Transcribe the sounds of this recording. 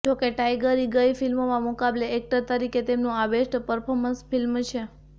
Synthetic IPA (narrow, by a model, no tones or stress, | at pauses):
d͡ʒokeʈajɡəɾiɡəjifilmomãmʊkableːk̚ʈəɾt̪əɾiket̪emnũaʋeʃʈpəɾpʰoɾmənsfilmt͡ʃʰe